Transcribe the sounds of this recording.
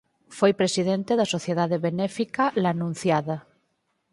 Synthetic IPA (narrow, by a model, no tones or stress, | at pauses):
fojpɾesiðent̪eðasoθjeðaðeβenɛfikalanũn̟θjaða